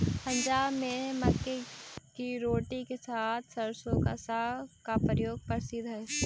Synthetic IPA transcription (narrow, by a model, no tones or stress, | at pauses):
pɐ̃ɲd͡ʒaːbmẽmɐkːekiɾoːʈikesaːt̪ʰsɐɾsõka̰sakapɾəjoːɡ̚pɐɾsɪd̪ʱɦɛ